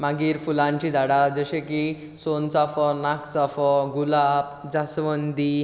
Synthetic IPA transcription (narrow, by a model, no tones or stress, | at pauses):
maɡiːɾfulãɲt͡ɕid͡zʱaɽad͡zəɕẽki | sont͡safɔnakʰt͡safɔɡulapd͡zasʋənd̪i